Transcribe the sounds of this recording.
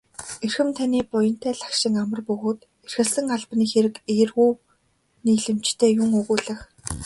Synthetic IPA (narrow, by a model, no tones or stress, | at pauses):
erxɘ̆mt̪ʰaniːpʊjə̆n̥t̪ʰæːɮḁkʃɪ̆ŋamə̆rpɵɣoːt̪ | er̥xɘ̆ɮsɘ̆ŋaɮpniːxeɾɘ̆keːrɣuː | niːɮɘ̆m̥t͡ɕt̪ʰeːjʊŋɵɣuːɮə̆x